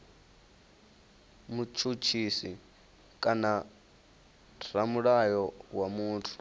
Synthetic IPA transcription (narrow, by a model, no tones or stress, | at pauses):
mut͡ʃʰut͡ʃʰisi | kʼana | ramuɺajɔwamuːtʰu̥